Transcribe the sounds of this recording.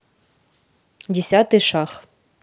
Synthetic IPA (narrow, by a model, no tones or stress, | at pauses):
dʲɪsʲat̪ɨʃax